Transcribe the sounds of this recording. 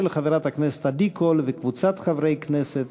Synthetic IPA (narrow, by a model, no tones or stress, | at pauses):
elχaveɾat̪hakneset̪ad̪ikʰolvekvut͡sat̪χavɾejkneset̪